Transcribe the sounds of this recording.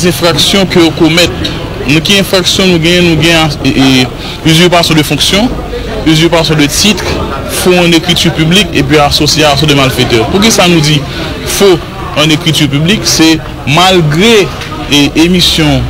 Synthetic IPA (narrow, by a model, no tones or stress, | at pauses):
zɛ̃fʁaksjɔ̃køjokomɛt̪̚ | nũkiɛ̃fʁaksjɔ̃nũɡɛ̃jɛ̃nũɡɛ̃a | yzypasɔ̃d̪əfɔ̃ksjɔ̃ | yzypasjɔ̃d̪ətit̪ʁ | foɐ̃nekʁitypyblikep̬ɥiasosjias̬ɔ̃d̪əmalfet̪ɛʁpuʁk̬isanũd͡zi | fo | ɐ̃nekʁityʁp̬ybliksɛ | malɡʁe | emisjɔ̃